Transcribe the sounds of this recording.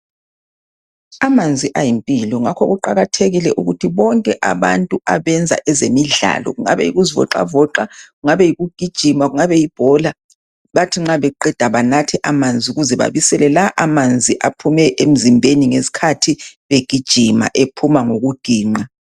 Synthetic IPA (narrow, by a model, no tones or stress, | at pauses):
amand͡zʱiʔajimpʼilɔŋakʰɔɣuǃaɣatʰeɣilɛʔuɣutʰiβɔŋkʼɛʔa̰βa̰ntʼuaβɛnd͡zʱa̰ʔɛzemiɮa̰lɔ̰ɣuŋa̰βɛ̰jḭɣuzivɔ̰ǃa̰vɔǃaɣuŋaβɛjiɣuɡ̥ʱid̥ʒ̥ʱimaɣuŋaβɛjib̥ʱɔla | βatʰiŋ͡ǁaβɛǃɛd̥ʱaβanatʰɛʔamand͡zʱiuɣuzɛβa̰βisɛlɛlaʔamand͡zʱiʔapʰumɛʔem̩zimbʱeniŋesi̥kʰatʰiβeɡ̥ʱid̥ʒ̥ʱima̰ʔepʰumaŋoɣuɡ̥ʱiːŋ͡ǃa